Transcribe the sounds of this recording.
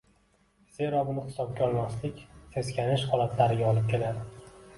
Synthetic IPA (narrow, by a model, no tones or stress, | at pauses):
z̥e̞ɾɒbʊnɪχt̪ɪ̥sɒp̚ɡʲaɒlˠmaslɪkʲt̪ʰe̞skʲʰanɪʃhɒlat̪ʰlaɾɪɡʲaɒlˠɪp̚kʲʰe̞lad̪ɪ